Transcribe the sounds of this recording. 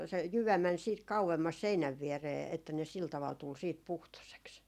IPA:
se jyʋæ mæn siːt kɑuemːɑs seinæʋ ʋiereː etːæ ne sil tɑʋɑl tul siːt puhtoseks

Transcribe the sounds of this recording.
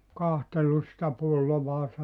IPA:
kɑhtelːus sĭtæ pulːoʋɑːsɑ

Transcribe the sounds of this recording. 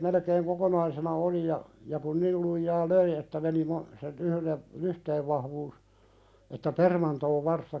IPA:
melekeːŋ kokonɑisenɑ oli jɑ jɑ kun nil lujːɑː løi etːæ meni mɑ sen yhlen lyhteːʋ ʋɑhʋuːs etːæ permɑntoːʋ ʋɑrstɑ

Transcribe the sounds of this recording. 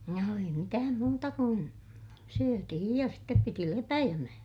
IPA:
no ei mitæːm muːtɑ kun syøtihij jɑ step piti lepæjæmæ

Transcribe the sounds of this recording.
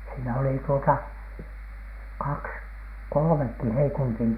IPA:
siːnæ oli tuotɑ kɑks kolŏmekːi heikuntin

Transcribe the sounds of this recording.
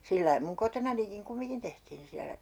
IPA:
silːɑi muŋ kotonɑnikiŋ kumiŋkin tehtiːn siælæ

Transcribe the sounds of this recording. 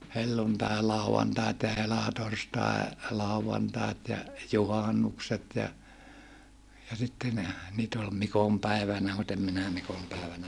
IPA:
helːuntɑelɑˑuɑntɑit jɑ helɑtorstɑe lɑˑuʋɑntɑet jɑ juhɑnːukset jɑ jɑ sitːe ne niːt ol mikompæiʋænæ mut em minæ mikompæˑeʋænæ

